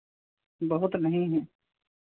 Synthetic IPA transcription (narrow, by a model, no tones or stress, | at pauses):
bɐɦʊt̪nɐɦĩɦɛ̃ː